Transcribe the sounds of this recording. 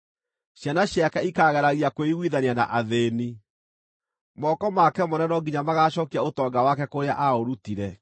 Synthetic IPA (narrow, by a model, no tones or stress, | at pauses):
ɕjanaɕjakaikaɣɛɾaɣiakoiɣwiðanianaʔaðeːni | mɔkɔmakɛmonɛnɔɡiɲamaɣaɕɔːkiaotɔːɡawakɛkoɾea̰ʔaoɾutiɾɛ